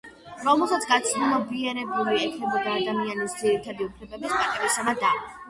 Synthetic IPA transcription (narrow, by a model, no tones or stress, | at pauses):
ɾɔmɛlˠsat̪sʰɡat̪sʰnumɔbiɛɾɛbuliɛkʰnɛbɔd̪aːd̪amianisd̪ziɾit̪ʰad̪iupʰlɛbɛbispʼat̪ʼɛɾisamad̪a